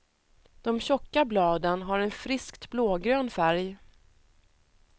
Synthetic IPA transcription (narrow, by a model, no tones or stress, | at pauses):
d̪̥ɔmɕɔkːablɑːd̪ənɦaɾɛnfɾɪskt̪bloːɡɾøːnfæɾj